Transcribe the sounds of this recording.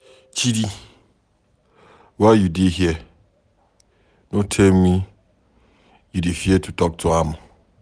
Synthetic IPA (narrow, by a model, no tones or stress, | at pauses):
t͡ɕʰidi | wajudeɦiɛ | nõtʰɛlmĩ | judifiɛtʰutʰɔk̚tʰʊamʊ̃